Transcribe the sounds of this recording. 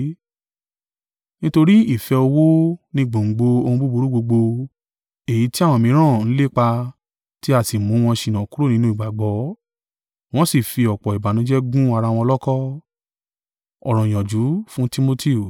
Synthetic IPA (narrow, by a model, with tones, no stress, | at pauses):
nĩ˦to˧ɾi˦i˦˨fɛ˧o˧wo˦nĩ˧ɡ͡bo˨ŋ͡m̩˨ɡ͡bo˧o˧hũ˧bu˦bu˧˦ɾu˦ɡ͡bo˧ɡ͡bo˧ | e˨ji˨˦ti˦a˦˨wɔ̃˧mĩ˨˦ɾ̃ã˦˨ñ̩˦le˦˨k͡pa˧ | ti˦a˨si˨mũ˨˦w̃ɔ̃˧ʃĩ˧nã˨ku˦o˦˨nĩ˨˦nũ˦i˦˨ɡ͡ba˨ɡ͡bɔ˨˦ | w̃ɔ̃˦si˦˨fi˧ɔ˨k͡pɔ˨i˨ba˨nũ˨˦d͡ʒɛ˦ɡũ˦a˧ɾa˧w̃ɔ̃˧ɔ˧lɔ˦kɔ˦ | ɔ̰˨ɾ̃ɔ̃˨j̃ɔ̃˨d͡ʒu˨˦fũ˦ti˦mo˧ti˦˨